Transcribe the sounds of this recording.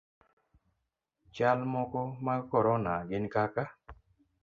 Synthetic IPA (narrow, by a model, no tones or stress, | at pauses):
t͡ʃalmɔkɔmakɔɾɔnaɡɪnkaka